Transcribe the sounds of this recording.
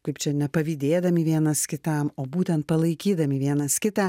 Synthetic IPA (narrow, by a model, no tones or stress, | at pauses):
kɐɪpt͡ʃʲɛnʲɛpɐʋʲiːd̪ʲeːd̪ɐmʲɪʋʲiɛnɐskʲɪt̪ɐmoːbuːt̪ʲɛnt̪̚pɐlˠɐɪkʲiːd̪ɐmʲɪʋʲiɛnɐskʲɪt̪ɑ